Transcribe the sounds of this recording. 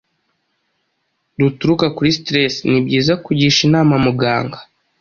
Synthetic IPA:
dutuɾukakuɾistɾesnibɟiːzakuɟiːʃinaːmamuɡaːŋɡḁ

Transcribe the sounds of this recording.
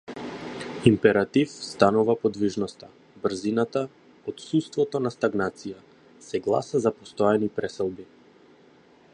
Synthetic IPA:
impɛɾat̪ifst̪anuvapɔd̪viʒnɔst̪a | br̩zinat̪a | ɔt̪sust̪vɔt̪ɔnast̪aɡnat̪sija | sɛɡlˠa̰sazapɔst̪ɔjanipɾɛsɛlˠbi

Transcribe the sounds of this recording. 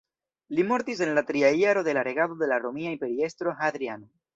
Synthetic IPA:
limo̞ɾt̪is̬e̞nlat̪ɾiajaɾo̞ðe̞laɾe̞ɡado̞d̪e̞laɾomiaimpe̞ɾie̞st̪ɾo̞ɦad̪ɾiano

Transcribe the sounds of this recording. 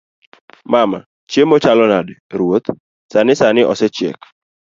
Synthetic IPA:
mama̰ | t͡ʃjemot͡ʃalɔnadɛɾwot̪ | sanɪsanɪʔɔ̰sɛt͡ʃjḛk

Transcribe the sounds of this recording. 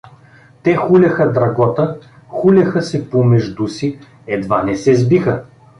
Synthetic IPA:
t̪ɛxulʲɐxəd̪ɾɐɡɔt̪ə | xulʲɐxəsɛpomɛʒd̪usi | ɛd̪vanɛsɛzbixə

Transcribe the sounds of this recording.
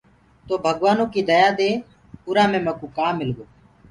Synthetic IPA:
t̪oːbʱəɠʋaːnõːkiːd̪əjaːd̪eː | ʊɾaːmẽːmɛ̃ːkũːkaːmːɪlɡoː

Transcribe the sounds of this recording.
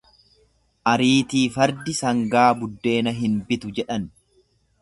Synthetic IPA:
ʔɐɾiːt̪iːfɐɾd̪ɪsɐŋɡaːbʊd̪ːe̞ːnɐɦɪnbɪt̪ʊd͡ʒɛᶑɐn

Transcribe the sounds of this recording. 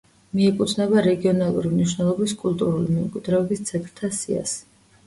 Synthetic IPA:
miɛkʼut̪ʰnɛβaɾɛɡiɔnalˠṵɾimniʃnɛlˠɔbiskʼult̪ʼuɾulimɛmkʼwid̪ɾɛɔbist̪sʰɛt̪ʼɾt̪ʰasḭa̰s

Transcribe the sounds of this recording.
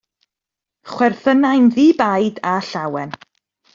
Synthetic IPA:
χwɛrθənajnðiːbajdaɬawɛn

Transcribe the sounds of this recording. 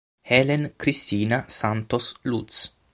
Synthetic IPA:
helenkɾist̪iːnasant̪oslut̪s

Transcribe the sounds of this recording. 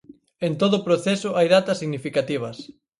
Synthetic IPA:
ent̪oðʊpɾoθɛsʊʔajðat̪ɐsːiɣnifikat̪iβ̞ɐs

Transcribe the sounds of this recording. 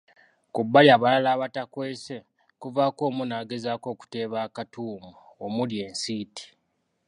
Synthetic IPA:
kubːaliaːβalalaːβatakwe̞ːse̞ | kuvaːko̞ːmunaːɡe̞zaːko̞ːku̥te̞ːβaːkatuːmuomulje̞ːnsiːti̥

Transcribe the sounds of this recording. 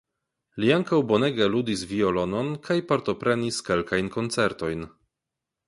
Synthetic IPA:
liaŋkawboneɡalud̪isviolononkʰajpaɾt̪o̞pɾeniskelkʰajnkont͡sɛɾt̪ojn

